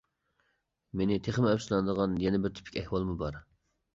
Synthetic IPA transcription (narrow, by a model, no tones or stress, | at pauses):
menɪt̪ʰeχəmɛpslˠɑnəd̪əʁɑnjɛnɛbɪɾt̪ʰy̥pʰi̥kʲɛhwɑlˠmubɑɾ